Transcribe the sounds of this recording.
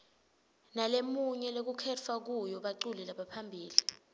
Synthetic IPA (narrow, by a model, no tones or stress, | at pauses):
nalemuɲɛlek̬ukʰɛt͡fʰak̬ujɔɓaǀulɛlaɓapʰambʱiːli